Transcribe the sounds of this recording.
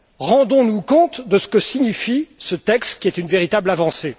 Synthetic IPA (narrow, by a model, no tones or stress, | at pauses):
ʁɑ̃d̪ɔ̃nukɔ̃t̪d̪əsə̥kəsiɲifisət̪ɛkst̪kʲiɛt̪ynveʁit̪ablavɑ̃se